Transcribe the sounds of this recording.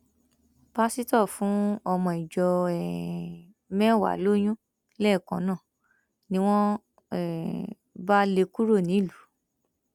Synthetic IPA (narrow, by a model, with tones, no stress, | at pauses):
b̥a˦si˦tɔ˦˨fũ˨˦ɔ˧mɔ̃˧˨i˨d͡ʒɔ˧ɛ˨ | mɛ̃˦˨wa̰˨lo˦j̃ũ˦ | lɛ˦˨kɔ̃˨˦nã˦˨ | nĩ˧˦w̃ɔ̃˦ | ɛ˨ | ba˦le˧ku˦ɾo˦˨nĩ˨˦˨lu˨˦